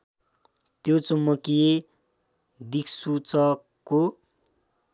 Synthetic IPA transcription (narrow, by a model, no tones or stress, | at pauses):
t̪jot͡sumːʌkije | d̪ikʰsut͡sʌ | ko